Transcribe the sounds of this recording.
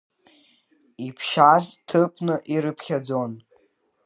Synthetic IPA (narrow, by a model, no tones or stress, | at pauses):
ipʰʃaztʰɨpʰʼnɨʔiɾɨpʰχʲad͡zo̞n